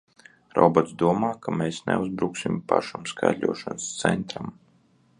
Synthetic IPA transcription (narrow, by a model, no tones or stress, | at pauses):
ɾɔ̰bɔt̪sd̪uɔmaːkameːsnɛuzbɾuksimpaʃamska̰jd̪lʲuɔʃɔnst̪sɛnt̪ɾam